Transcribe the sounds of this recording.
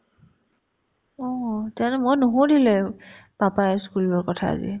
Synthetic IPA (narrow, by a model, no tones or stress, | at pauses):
ɔtanɛmojnoɦodilɛpapajskulɔɹkɔtʰa̰ːzḭ